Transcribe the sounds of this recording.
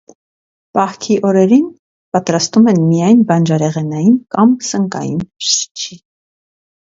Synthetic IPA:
pɑhkʰiʔɔɾɛɾin | pɑt̪ɾɑst̪umɛnmijɑjnbɑnd͡ʒɑɾɛʁɛnɑjinkɑmsəŋkɑ̰jḭnʃi̥t͡ʃʰi

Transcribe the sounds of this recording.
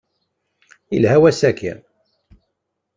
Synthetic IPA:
ḭlhæwæsækḭ

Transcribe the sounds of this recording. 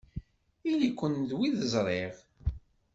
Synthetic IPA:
ilikʷːənðwiðəzˤɾˤeʁ

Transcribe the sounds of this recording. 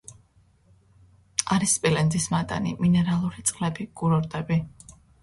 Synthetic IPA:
aɾispʼilɛnzismat̪ʼa̰nḭminɛɾalˠuɾit̪sʼqʼlɛbiɡ̥uɾɔɾd̪ɛbi

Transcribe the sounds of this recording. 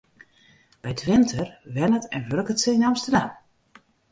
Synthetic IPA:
b̥ɛjtʰʋɪntʰərʋɛnətɛnʋørkətsəinamstərdam

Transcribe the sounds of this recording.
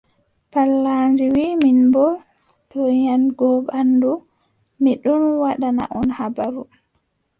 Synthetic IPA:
palːand͡ʒiwiːminbɔ | tɔjanɡɔɓandu | miɗunwaɗana̰ʔɔnhabaɾu

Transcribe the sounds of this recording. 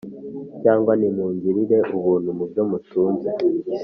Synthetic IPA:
caːŋɡwanimuːɲɟiɾiɾe̞ʔuβuːnhumubjo̞mutuːnze

